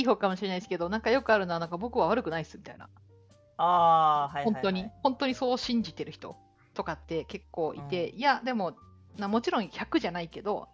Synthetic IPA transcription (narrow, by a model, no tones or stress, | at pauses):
iːɦo̞ːkamo̞ɕiɾe̞naisɨ̥ke̞d̪o̞nãŋkajo̞kɯ̟aɾɯ̟noanãŋkabo̞kɯ̟βaβ̞aɾɯ̟kɯ̟naisɨmʲi̥t̪a̰ina̰ | aːaõnt̪o̞ɲ̟ihõnt̪o̞ɲ̟iso̞ːɕĩɲ̟d͡ʑit̪e̞ɾɯ̟çi̥t̪o̞̰ | t̪o̞kat̪ːe̞ke̞kːo̞ːʔḭt̪e̞ijad̪e̞mo̞ | namo̞t͡ɕiɾõ̞ɰ̃çakɯ̟ʑanaike̞d̪o̞̰